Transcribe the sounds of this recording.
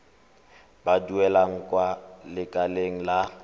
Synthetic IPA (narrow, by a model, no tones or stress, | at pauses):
baduɛlaŋ̩kʼwalɪkʼaleŋ̩la